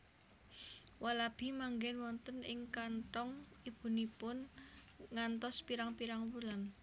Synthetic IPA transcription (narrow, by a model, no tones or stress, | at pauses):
walab̥i̤maŋɡɛnwɔnt̪ənɪŋkantɔŋ | ib̥ṳnipʊn | ŋant̪ɔspiɾaŋpiɾaŋwulan